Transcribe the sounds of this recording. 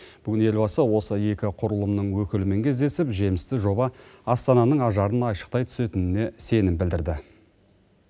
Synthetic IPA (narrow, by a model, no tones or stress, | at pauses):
b̥ʏɡʲɪne̞lʲbɑsəwo̞səje̞kʲɪqʰʊɾəlˠəmnəɴwɵkʲɪlɪmeŋkʲʰezd̪e̞sɪpʒe̞mɪst̪ɪʒo̞bɑɑst̪ɑnɑnəɴɑʒɑɾənɑjʃə̥q̚t̪ɑjt̪ʰʏ̥se̞t̪ɪnɪne̞se̞nɪmbɪld̪ɪɾd̪ɪ